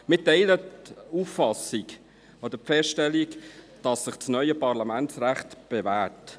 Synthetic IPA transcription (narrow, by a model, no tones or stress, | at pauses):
mɪtɛɪlətuːfːɑsik | ɔd̥əfɛstɛlik | d̥ɑsːɪχt͡snœʏəpɑɾlɑmænt͡sræχtb̥evæːt